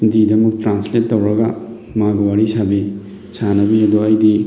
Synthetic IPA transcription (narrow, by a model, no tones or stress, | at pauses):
didɐmuk̚tɾansletːɐwɾɐɡɐ | maɡɐwaɾisabi | sanɐbiɐduɐjdi